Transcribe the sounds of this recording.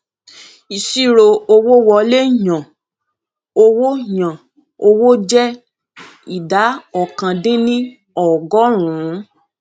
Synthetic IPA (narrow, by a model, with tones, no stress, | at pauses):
i˨ʃi˦˨ɾo˧o˧wo˦wɔ˧le˦ɲã˨ | o˧wo˦ɲã˨ | o˧wo˦d͡ʒɛ˦ | i˨da˨˦ɔ˨kã˧dĩ˦nĩ˦ | ɔ˨ɡɔ˦ɾ̃ũ˨˦